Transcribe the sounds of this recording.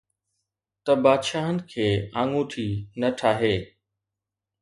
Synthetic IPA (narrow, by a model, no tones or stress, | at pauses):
t̪ɐbaːd̪ʃaːɦənɪ̆kʰeːãːŋũt̪ʰiːnɐʈʰaːɦeː